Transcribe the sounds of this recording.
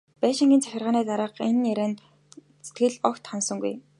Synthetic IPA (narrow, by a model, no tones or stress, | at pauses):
pæːʃɪ̆ŋɡʲiːnt͡sʰæxʲɪ̆rʁaːniːt̪aɾə̆ːqenjæɾæːn | se̥t̪ɡɘ̆ɮɔkt̪χansɞ̆ŋɡuj